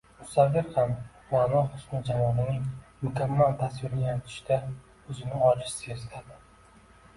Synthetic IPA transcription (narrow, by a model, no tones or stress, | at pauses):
mʊsavːɪɾham | anɒhʊsmɪd͡ʒamɒnɪnɪŋmʊkʰʲamːalt̪ʰasvɪɾɪjant̪ʰɪ̥ʃd̪a | ɵzɪnɪɒlɪʃse̞zlad̪ɪ